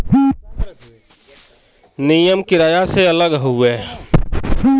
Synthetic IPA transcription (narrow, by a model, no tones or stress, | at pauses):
nijəmkɪɾaːjaseələɡɦʊeː